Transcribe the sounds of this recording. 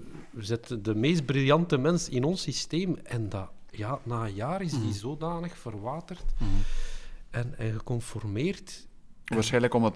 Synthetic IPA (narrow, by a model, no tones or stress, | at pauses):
əzɪtəndəmeːst̚brilˠjɑntəmɛnsɪnɔnsisteːmɛndajaːnaːjaːɾɪzdizoːdaːnəxfərʋaːtərt | ɛnɛ̰nɣəkɔnfɔrmeːrt | ʋaːɾsxɛjnləkɔmət